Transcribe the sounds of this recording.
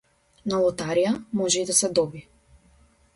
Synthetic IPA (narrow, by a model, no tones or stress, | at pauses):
nalˠɔt̪aɾijamɔʒɛid̪asɛd̪ɔbi